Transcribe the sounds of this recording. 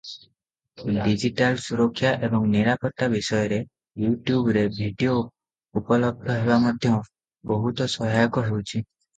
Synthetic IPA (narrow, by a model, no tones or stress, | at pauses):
ɖid͡ʒiʈalsuɾɔkʰːjaʔebɔŋniɾapɔt̪abisɔjɔɾe | juʈjubɾebʱiɖio | upɔlɔb̚d̪ʱɔɦeβamɔd̪ʱjɔ | bɔɦut̪ɔsɔɦajɔkɔɦewt͡ʃʰi